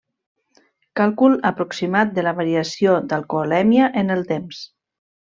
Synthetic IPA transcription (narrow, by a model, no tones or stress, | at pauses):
kalˠkuləpɾuksimat̪̚d̪əlaβaɾiasiod̪alkolɛmjaʔenəlˠt̪ems